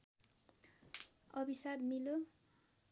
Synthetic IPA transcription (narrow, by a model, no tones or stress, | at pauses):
ʌbisabmilo